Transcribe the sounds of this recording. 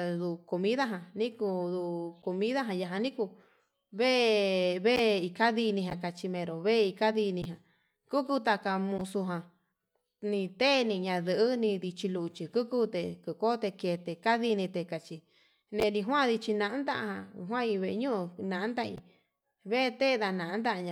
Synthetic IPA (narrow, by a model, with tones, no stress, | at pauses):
ðu˧˨ko˧mĩ˦ða˦ɦã˧nĩ˦ku˧ðu˧ko˧mĩ˦ða˦ɦã˧ja˧ɦã˧nĩ˦ku˧ | βe˦βe˦˧i˧ka˦ði˧nĩ˧ɦã˧ka˧t͡ʃi˧mẽ˧ɾo˨βe˦˧i˧ka˦ði˧nĩ˧ɦã˨ | ku˦ku˧t̪a˧ka˧mũ˧su˧ɦã˧ | nĩ˧t̪e˦˧nĩ˧ɲã˧ðɨ˨ʔɨ˦nĩ˧ði˧t͡ʃi˧lu˧˨˧t͡ʃi˧ku˦ku˦t̪e˧ku˧˨ko˦t̪e˧ke˧t̪e˧ka˦ði˧nĩ˧t̪e˧ka˨t͡ʃi˧ | nẽ˧nĩ˧ɦwã˦˨ði˧t͡ʃi˧nã˧ʔa˦nd̪a˦˧hã˧ɦw̃ã˦˧i˧βe˧ʔɲũ˦u˧nã˨ʔnd̪a˧ḭ˧ | βe˦˧t̪e˦˧ða˧nã˨˦nd̪a˦ʔɲã˧